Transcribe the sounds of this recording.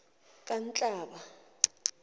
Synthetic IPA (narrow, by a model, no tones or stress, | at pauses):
kʼant͡ɬʼaːɓa